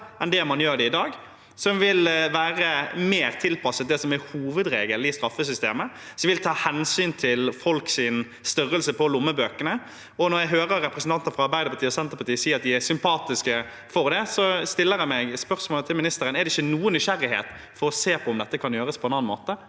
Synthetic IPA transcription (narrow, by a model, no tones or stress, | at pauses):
ɛnd̪ɛæmɑnjøːɾɖ̪ɛɪd̪ɑːɡ | sɔmʋɪlʋæːɾəmeːɾt̪ʰɪlpʰɑsət̪̚d̪ɛsɔmæhuːʋəd̪ɾeːɡəlɪst̪ɾɑfːəsʏst̪eːmə | sɔʋɪlt̪ʰɑːhɛnsyːnt̪ʰɪlfɔlksɪn | st̪ʏɾəlsəpʰɔlʊmːəbøːkənə | ɔnɔɾjæɪɦøːɾəɾɛpɾəsn̩t̪ɑnt̪nəfɾɑɑɾbæɪd̪əɾpʰɑt̪ʰiːɔsɛnt̪əɾpɑt̪iːəsiːɾɑt̪̚d̪ɪæsʏmpʰɑːt̪ɪskə | fɔɾd̪ɛsɔst̪ɪlːəɾɛmɛɡspœɾsmoːlət̪ʰɪlmɪnɪst̪əɾənɛɾd̪ɛɪçːənuːənːʏʃæɾɪɦḛːt̪ | fɔɾɔseːpʰɔɔmd̪ɛt̪ːəkʰɑnjøːɾəspʰɔɛnɑnmoːt̪ə